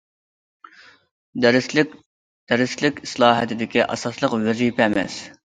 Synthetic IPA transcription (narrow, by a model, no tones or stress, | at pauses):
ɾ | d̪̥ɛɾɪslɪkʲi̥slˠɑːɦɛ̰t̪ʰɪd̪ɪkʲiʔɑ̰sɑslˠəqwɛzipʰɛːmɛ̰s